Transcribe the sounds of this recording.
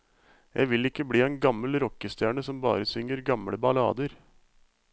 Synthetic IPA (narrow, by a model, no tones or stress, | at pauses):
jʔæ̰ɪʋɪlɪkːəbɽiːɛːnɡɑməlɾɔkːəst̪jæːɳəsɔmbɑ̰ːɾəsʏŋəɾɡɑmɽəbɑlɑ̰ːd̪əɾ